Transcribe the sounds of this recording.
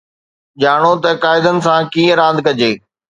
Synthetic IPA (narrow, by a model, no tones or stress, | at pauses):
ʄaːɽ̃ot̪ɐkaːɪd̪ənɪ̆sãkiːəɾãːd̪ʱkɐd͡ʑeː